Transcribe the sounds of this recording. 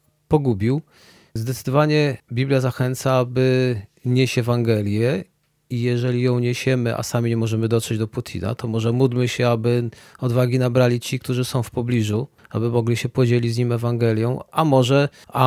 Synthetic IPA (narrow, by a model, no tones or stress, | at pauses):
pɔɡubʲiw | zd̪ɛt̪sɘ̥d̪ɔvaɲɛbʲiblʲjazaxɛnt̪saabɘɲeɕɛvaŋɡɛlʲjɛ | ijɛʐɛlʲijɔ̃w̃ɲeɕɛmɘʔa̰samʲiɲɛmɔʐɛmɘd̪ɔt̪ʂɛd͡ʑd̪ɔput̪ʲʰḭna̰t̪ɔmɔʐɛmud̪mɘɕɛabɘɔd̪vaɡʲinabɾalʲit͡ɕik̚t̪uʐɘsɔ̃w̃fpɔblʲiʐua̰bɘmɔɡlʲiɕɛpɔd͡ʑelʲizʲɲimɛvaŋɡɛlʲjɔ̃w̃amɔʐɛ | a